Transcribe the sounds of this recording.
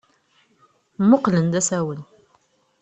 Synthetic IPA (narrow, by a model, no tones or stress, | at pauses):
mʊqlənd̪æsæwəl